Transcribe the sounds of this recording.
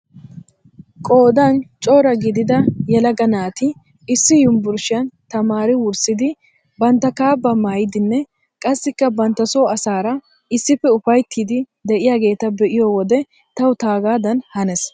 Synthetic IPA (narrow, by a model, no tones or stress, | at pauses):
kʼo̞ːd̪ant͡ʃʼoːɾɐɡɪd̪ɪd̪ɐjɛlɐɡɐnaːt̪ɪ | ɪsːɪjʊmbʊɾʃɪjɐnt̪ɐmaːɾɪwʊɾsɪd̪ɪ | bɐnt̪ːɐkaːbːɐmaːjɪd̪ɪnːɛ | kʼɐsːɪkːɐbɐnt̪ːɐsoːɐsaːɾɐ | ɪsːɪfɛʊfɐjt̪ʰːid̪ɪ | d̪ɛʔɪjaːɡe̞ːt̪ɐbɛʔɪjoːwɔd̪ɛ | t̪ɐwʊt̪aːɡaːd̪ɐnhɐnɛs